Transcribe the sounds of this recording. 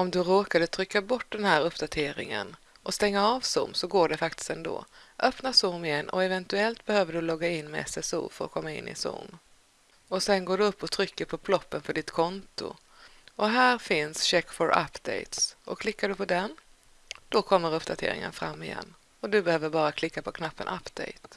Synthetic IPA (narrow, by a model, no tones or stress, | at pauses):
ɔmd̪ɵɾoːkad̪ət̪ʰɾʏkːabɔʈːd̪ɛnhæːɾɵpːd̪at̪ʰeːɾɪ̰ŋə̰n | ʔɔst̪ɛŋːaɑːvsʊ̰mːsɔɡoːɖɛfak̚t̪ɪ̥st̪ɛnd̪o̰ːʔœpnasʊmɪjɛnːʔɔ̰ɛvɛnt̪ɵɛlt̪̚bɛhøːvəɖɵlɔɡːaɪnːmɛ̰ɛsɛsṵːfœɾɔ̰kʰɔmːaɪ̰nːɪ̰sʊ̰m | ɔsɛnɡoːɖɵɵpːɔt̪ʰɾʏkːəɾpʰɔbʰlɔpːənfœɖɪt̪kʰɔnt̪ʊ̰ | ɔɦæːɾfɪnsɕɛkːfɔɾʔa̰pd̪ɛ̰jt̪sɔkʰlɪkːaɖɵpʰɔd̪ɛn | d̪̥ɔkʰɔmːəɾɵpːd̪at̪ʰḛːɾɪ̰ŋə̰nfɾa̰mːɪjɛ̰nː | ɔd̪ɵbɛhøːvəɾbɑːɾakʰlɪkːapʰɔkʰnapːə̰na̰pːd̪̥ɛ̰jt̪